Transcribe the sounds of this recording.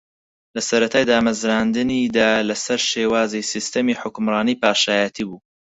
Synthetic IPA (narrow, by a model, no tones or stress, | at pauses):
lɐsɐɾɐt̪ʰaːjd̪aːmɐzɾand̪ɨnid̪aːlɐsɐɾʃeːwaːzisist̪ɐmiːħʊkʊmrɑːniːpaːʃaːjat̪ʰiːbuː